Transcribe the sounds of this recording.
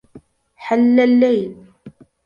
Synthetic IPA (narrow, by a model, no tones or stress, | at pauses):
ħalːalːajl